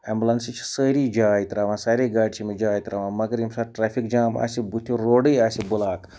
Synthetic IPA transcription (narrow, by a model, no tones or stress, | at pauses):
ɛmbʲulɐnsit͡ʃʰi̥səːɾiːd͡ʒaːjit̪ɾaːʋãːsaːɾeːɡaːʈt͡ʃʰimid͡ʒaːjit̪ɾaːʋãːmɐɡɐɾimsaːɾʈɾɛːfʰikd͡ʒaːma̰ːsibut̪ʰuɾoːɖəjaːsibulaːk